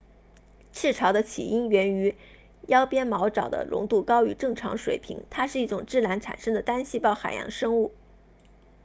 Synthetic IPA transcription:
ʈ͡ʂʰɻ̩˥˩ʈ͡ʂʰɑ˧˥d̪ə˧t͡ɕʰḭ˨˩i˥nɥɛ˧˥ny˧˥ | jɑ˥ʊpjɛ˥nmɑ˧˥ʊʈ͡ʂɑ˨˩ʊd̪ə̰˦lʔʊ̰˧˥ŋt̪u˥˩kɑ˥ʊy̰˧˥ʈ͡ʂɤ˥˩ŋʈ͡ʂʰɑ˧˥ŋʂwḛ˨˩ɪpʰḭ˧˥ŋt̪ʰa˥ʂɻ̩˥˧i˥˩ʈ͡ʂʊ˨˩ŋʈ͡ʂɻ̩˥˩la˧˥nʈ͡ʂʰa̰˨˩nʂɤ˥ŋd̪ə˨t̪a˥nɕi˥pɑ˥˩ʊxa̰˨˩ɪjɑ̰˧˥ŋʂɤ˥ŋu˥˩

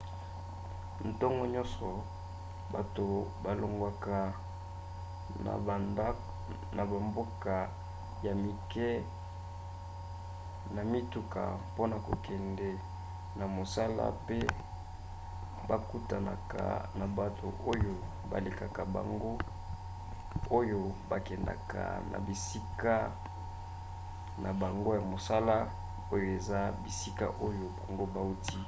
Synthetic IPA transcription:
n̩˨tɔ˦ŋɡɔ˦ɲɔ̃˦nsɔ˨ | ba˨to˨ba˨lo˨ŋɡwa˨ka˨ | na̰˨ba˨nda˦k | na˨ba˨mbo˦ka˨ | ja˨mi˨kɛ˦ | na˨mi˦tu˦ka̰˨po˦na˨ko˨kʰɛ˨ndɛ˨ | na˨mo˨sa˦la̰˦pe˦ | ba˨ku˦ta˨na̰˨ka̰˨na˨ba˨tʰo̰˨ʔo˦jo˨ | ba̰˨le˨ka˨ka˨ba̰˨ŋɡo˦ | o˦jo˦ba˨kɛ˨nda̰˨ka̰˨na̰˨bi˨si˦ka˦ | na˨ba˨ŋɡo˦ja˨mo˨sa˦la˦ | o˦jo˨e˨za˦bi˨si˦ka̰˦ʔo˦jo˨ba˨ŋɡo˦ba˨u˦ti˦

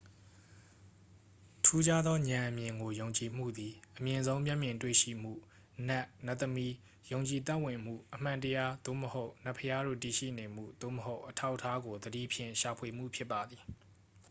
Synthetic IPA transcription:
tʰu˦d͡ʑa˦d̪ðɔ˦ɲã˨ʔə˨mjɪ̃˨ŋɡo˨jõ˨ʊ̃ɲt͡ɕi˨m̥ṵ˦˨d̪i˨ʔəmjɪ̃˨nzõ˦ʊ̃mjɛ˦ʔmjɪ̃˨ntwḛ˦˨ʃḭ˦˨m̥ṵ˦˨ | nɛ˦˨ʔna˦ʔt̪ːəmi˦ | jõ˨ʊ̃ɲt͡ɕi˨t̪a˦ʔwɪ̃˨m̥ṵ˦˨ʔəm̥ã˨ntəja˦d̪̥o̰˦˨məho˦ʊʔna˦˨pʰːəja˦ɾo̰˦˨ti˨ʃḭ˦˨ne˨m̥ṵ˦˨d̪̥o̰˦˨məɦo˦ʊʔətʰa˦ʊʔətʰːa˦ɡo˨d̪ədḭ˦˨pʰjɪ̰̃˦˨ʃa˨pʰwe˨m̥ṵ˦˨pʰjɪ˦pːa˨d̪i˨

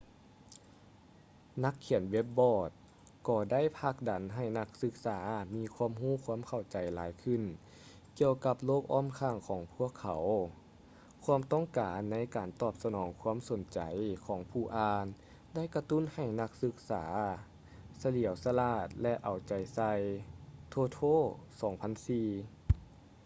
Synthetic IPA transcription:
na˧˥kʰːi˨˩ənwe˧˦˥p̚bɔː˧˩t̪̚ | kɔː˧˩da˥˨jpʰaː˧˩k̚da˨˦nɦa˧˨˩jna˧k̚sɯ˧˥k̚saː˩˦miː˧˥kʰwu˧˥ə˨mɦuː˧˥˩kʰu˧˥ə˨mkʰa˧˩wt͡ɕa˨˩jlaː˨˦jkʰɯ˧˩˨n | ki˧əwka˧p̚loː˥˩k̚ʔɔː˧˥˨mkʰaː˧˩ŋkʰɔː˨˦ŋpʰu˧˥˩əkʰːa˨˩˦w | kʰuː˧˥əmt̪ɔ˥˨ŋkaː˨nːa˧˥˨jkaː˨˩nt̪ɔː˧˩p̚sa˧nɔː˩˦ŋkʰu˧˥˨mso˨˦nt͡ɕa˨˩jkʰɔː˩˦ŋpʰuː˧˩ʔaː˧n | da˥˨jka˧t̪u˥˨nha˨˩jna˧k̚sɯ˧k̚saː˩˦ | sa˧li˩˦əwsa˧laː˧˩t̪̚lɛ˧ʔa˨˩wt͡ɕa˨˩jsa˧jt̪ʰoː˧t̪ʰoː˥˨sɔː˨˦ŋpʰa˧˥˨nsiː˧˩

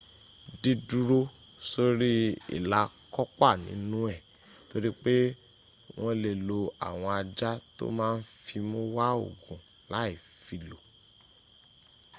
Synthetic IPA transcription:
di˨˧du˨˧ɾo˧ | so˧ɾi˦ḭ˦˨la˧kɔ˦k͡pa˦˨nḭ̃˨˦nũ˦ɛ˦˨ | to˦ɾi˦k͡pe˦ | w̃ʔɔ̃˧le˨lo˧a̰˨w̃ɔ̃˧a˧d͡ʒa˦to̰˦mãː˦˧n̩˦fi˧mo˦wa˦o̰˨ɡũ˨ | la˨˦i˦˨fi˨lo˨

